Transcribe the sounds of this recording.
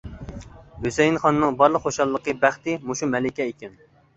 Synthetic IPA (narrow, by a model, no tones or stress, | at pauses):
høsɛjinχɑnːɨŋbɑɾlˠəqχoʃɑlˠːəqəbæχt̪ɪmuʃumɛlɪkʲɛikʲɛn